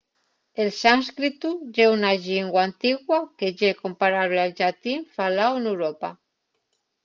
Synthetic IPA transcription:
elsanskɾit̪uʝeunaʒiŋɡwant̪iɣwakeʒekompaɾaβlealʒat̪iɱfalawenewɾopa̰

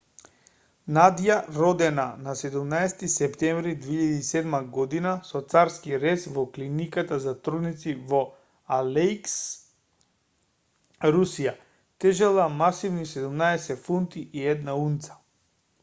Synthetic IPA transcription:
nad̪ijaɾɔd̪ɛnanasɛd̪umnaɛst̪isɛpt̪ɛ̃ɱvɾid̪veiʎad̪iːsɛd̪maɡɔd̪inasɔt̪saɾskiɾɛsvɔklinikat̪azat̪ɾunit̪sivɔ | alɛjks | ɾusija | t̪ɛʒɛlˠamasivnisɛd̪umnaɛsɛtfunt̪iʔiɛd̪naunt̪sḁ

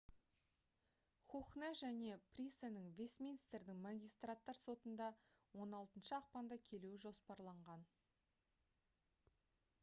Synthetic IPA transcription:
χuχneʒæne̞prʲisanəŋvʲesmʲinist̪ɾd̪ɪŋmɑɡʲijst̪rat̪ːɑɾso̞t̪ənd̪ɑ | wo̞nɑlˠt̪ənʃəɑq̚pɑnd̪ɑkʲʰe̞luwɪʒo̞spɑɾlˠɑɴʁɑn

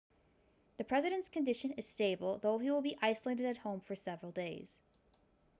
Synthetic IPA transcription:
ðɨpʰɹ̥ɛzɨɾɨ̃ntskɨ̃ndɪʃɨ̃nɨz̥steɪbl̩ˠðoʊiwəlˠbiʔaɪsl̩eɪɾɨɾɨt̚hõʊ̃ɱfə˞sɛvɹl̩ˠdeɪz̥

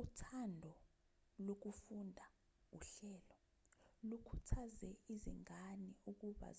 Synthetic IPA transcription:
utʰandʱɔ | lok̬ufundʱa | uɬɛːlɔ | lukʰu̥tʰazɛizḭŋaniuk̬uɓa̰

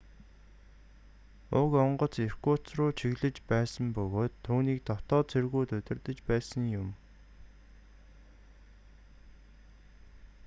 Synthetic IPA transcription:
ʊkɔɴɢɞ̆t͡ser̥kʊːt͡srʊːt͡ɕʰiɣɮɘ̆t͡ɕpæːsə̆mpɵɣoːt̪ʰːuːniːk̚t̪ɔt̪ɔːt͡sʰerɣuːt̪ɵt̪ʲɪ̆rt̪ə̆t͡ɕpæːsə̆ŋjʊm

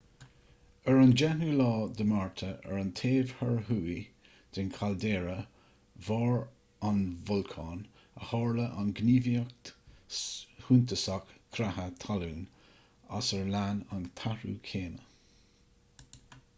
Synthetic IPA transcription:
ɛɹand͡ʒɛnulɑːd̪əmaɹt̪ʰəɛ̰ɹənt̪ʰeːvhəɹɦuːi | d̪̥ɪnkʰald̪eːɹə | vɑːɹ | anvʊlkʰɑːn | ə̰hɑːɹləʔanɡniːviək̚ | hunt̪əsakːʰɾahət̪ʰaluːn | a̰səɹlanant̪ʰaɹṵːkʰeːnə

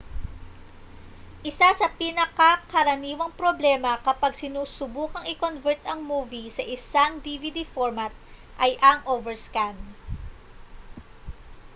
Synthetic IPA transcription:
ʔɪsasɐpɪnɐkɐkɐɾɐniːwɐŋpɾoblɛmɐkɐpaɡsɪnuːsʊbuːkɐŋɪkonvɛɹt̪ɐŋmuːvisɐʔɪsaŋd̪ivid̪ifoɹmɐt̪̚ʔɐjʔɐŋʔovɛɹskan

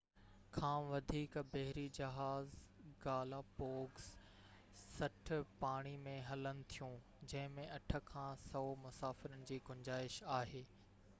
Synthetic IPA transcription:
kʰãːʋɐd̪ʱiːkbɐɦɪɾid͡ʑɐɦaːzɡaːlapoːɡs | sɐʈʰpaːɽ̃imẽɦɐlənɪ̆t̪ʰijũ | d͡ʑɐ̃ɦɪ̃mẽɐʈʰə̆kʰãːsɐomʊsaːfɪɾənɪ̆d͡ʑiːɡʊɲd͡ʑaːɪʃaːɦeː

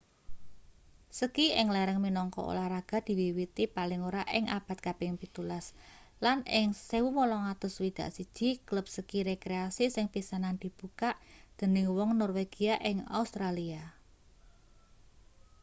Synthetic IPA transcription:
səkiʔɪŋlɛɾəŋminɔŋkɔ̰ʔo̰lahɾaɡ̥a̤d̪̥i̤wiwit̪ipalɪŋoɾaʔɪŋʔab̥a̤t̪̚kab̥ɪŋpit̪ulas | lanɪŋsewumɔlɔŋat̪ʊswid̪̥ä̤ʔsid̥ʒ̥i̤kləp̚səkiɾekɾeasisɪŋpisanand̪̥i̤b̥ukaʔd̪̥ə̤nɪŋwɔŋnɔrweɡ̥iaʔɪŋa̰ust̪ɾalia

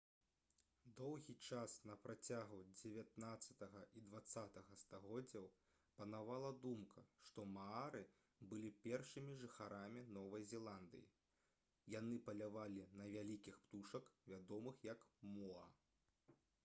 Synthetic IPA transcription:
d̪ɔwɣʲit͡ʂasnɐpɾat͡sʲaɣud͡zʲevʲat̪nat̪sːɐt̪ɐɣɐʔid̪vat̪sːat̪ɐɣɐst̪aɣɔd͡zʲːɐw | pɐnavalˠɐd̪umkʰɐʂt̪ɔmaaɾɨ | bɨlʲipʲɛrʂɨmʲiʐɨxaɾamʲinɔvɐjzʲɛlˠand̪ɨ̰jḭ | janɨpɐlʲavalʲinɐvʲalʲikʲixpt̪uʂɐkvʲad̪ɔmɨxjɐkmɔɐ

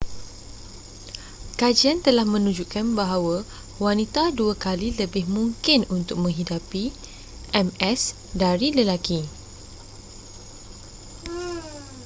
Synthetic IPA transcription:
kad͡ʒiant̪əlahmə̃nũd͡ʒukanbaɦawa | wanit̪aduakaliləbɪhmũŋkɪnunt̪ʊk̚mə̃ŋɦidapi | ʔɛmɛs | daɾiləlaki

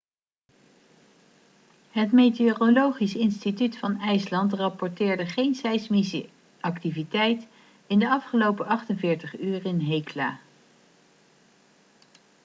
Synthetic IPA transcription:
ɦətmejteorolowχisɪnstitytfɑnɛjslɑntrɑpɔɹtɪːɹdəχejnsɛjsmisə̰ | ɑktivitɛjt | ɪndəɑfχəlowpəɑχtənvɪːɹtəχyːɹɪnɦejkla̰ː

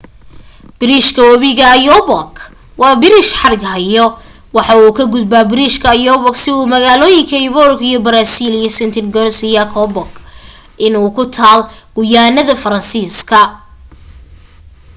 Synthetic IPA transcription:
b̥ɪɾiːʃkʰɐwɐβɪɣɐjɔbɔk | wɑːbɪɾɪʃħɑɾɪɡɦɐjɔ | wɑħɑuːkʰɐɡʊd̪̚baːbɪɾiːʃkʰɐjɔβɔksɪuːmɐɣaːlɔːjɪŋkʰɐɪβɔrkʰijɔbɐɾaːsilijɐsɪnt̪ʰɪnɡɔnsɪjɐkʰɔbɔk | ʔɪnuːkʰʊt̪ʰaːlɡ̥ʊjaːnɐðɐfɐɾɐnsiːskʰɐ

